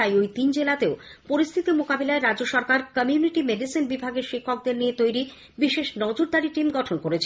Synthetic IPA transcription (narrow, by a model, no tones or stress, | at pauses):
ajojt̪ind͡ʑelat̪eopoɾist̪ʰit̪imokabelaeɾadd͡ʑoʃɔɾkaɾkəmiuniʈimeɖisinbibʱaɡeɾʃikʰːok̚d̪eɾniet̪ojɾi | biʃeʃnɔd͡ʑoɾd̪aɾiʈimɡɔʈʰonkoɾet͡ɕʰe